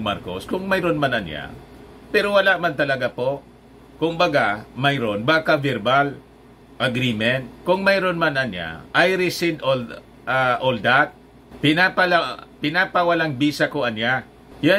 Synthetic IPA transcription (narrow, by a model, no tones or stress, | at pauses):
maɾkoskʊŋmajɾonmanɐnja̰ | pɛɾowɐlaʔmant̪ɐlɐɡapoʔ | kʊmbɐɡamɐjɾonbaːkavɛɾbal | ʔɐɡɾimɛnt̪̚kʊŋmɐjɾonmanɐnja̰ʔajɾɪsid̪ol | aʔold̪at̪̚ | pɪnapɐlapɪnapɐwɐlaŋbiːsɐkoɐnja | ja